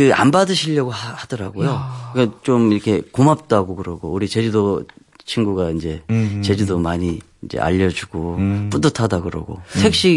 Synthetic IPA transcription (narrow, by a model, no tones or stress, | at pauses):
kɯa̰mbadɯɕʰiʎːʌɡohad̥ʌɾa̰ɡojokɯkat͡ɕomiɾʌkʰe̞komap̚t͈aɡokɯɾʌɡo̰uɾit͡ɕed͡ʑudo | t͡ɕʰinɡuɡaind͡ʑe̞t͡ɕe̞d͡ʑudomaɲi | ind͡ʑḛa̰ʎːʌd͡ʑuɡ̥op͈udɯtʰadaɡɯɾʌ̰ɡo̰sʰe̞k̚ɕ͈i